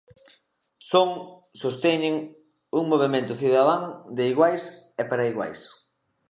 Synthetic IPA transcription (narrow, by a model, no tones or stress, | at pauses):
soŋ | sost̪eɲɪŋ | uŋmoβ̞emẽnt̪ʊθiðaðaŋd̪ɪiɣwajsɛpaɾɐiɣwa̰js